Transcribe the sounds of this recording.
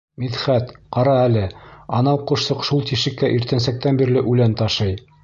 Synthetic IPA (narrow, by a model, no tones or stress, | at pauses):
miðχæt̪qɑɾɑælɘɑnɑwqŭʃsɤqʃulˠt̪iʃɘ̆kːæʔiɾt̪ænsæk̚t̪ænbiɾlɘʔʉlænt̪ɑʃɤj